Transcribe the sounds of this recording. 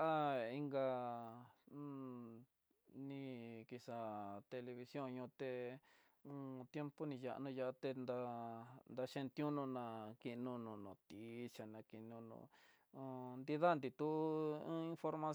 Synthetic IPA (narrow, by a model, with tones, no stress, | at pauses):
ʔa˦i˧ŋɡa˧ | nĩ˧ki˧sa˧t̪e˧le˧βi˧sjõ˦˨ɲũ˧t̪e˧ | ũ˧t̪je˦mpo˦nĩ˧ja̰˧˨ʔnũ˧ja˧ʔt̪e˧nd̪a˧nd̪a˧ʃẽ˧nt̪jũ˦nũ˧nã˧ki˧nũ˧nũ˧˨nõ˨t̪i˨˦˧t͡ʃa˨nã˧ki˧nũ˧nṵ̃˧ | nd̪i˧ða˦˨nd̪i˧t̪u˦ũ˦ĩ˧nfo˧ɾma˧